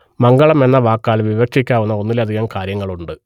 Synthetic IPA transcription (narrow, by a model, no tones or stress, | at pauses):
mɐŋɡɐɭɐme̞nːɐʋaːkːaːlʋiʋɐkʂikʲːaːʋunːɐo̞nːilɐd̪ʱiɣɐmkaːɾjɐŋːɐɭuɳɖɨ